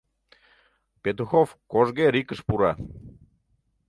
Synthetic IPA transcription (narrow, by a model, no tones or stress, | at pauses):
pet̪uxofkoʒɣeɾikəʃpuɾɑ